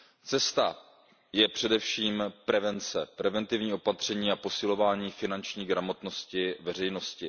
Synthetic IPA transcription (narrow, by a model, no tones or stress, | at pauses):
t͡sɛst̪a | jɛpr̝̥ɛdɛfʃiːmpɾɛvɛnt͡sɛpɾɛvɛnt̪ɪvɲiːʔo̞pat̪r̝̥ɛɲiːapo̞sɪlo̞vaːɲiːfɪnant͡ʃɲiːɡɾamo̞t̪no̞scɪvɛr̝ɛjno̞scɪ